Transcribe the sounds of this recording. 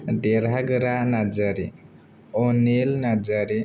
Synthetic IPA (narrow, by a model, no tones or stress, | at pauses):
ɖeɾaɡɾanad͡ʒəɾi | onilnad͡ʒaɾi